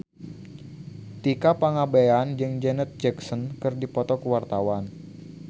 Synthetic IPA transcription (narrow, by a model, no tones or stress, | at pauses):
t̪ikapaŋabeand͡ʒɨŋd͡ʒɛnət̪̚d͡ʒɛksɔnkɨrdipɔt̪ɔkəwart̪awan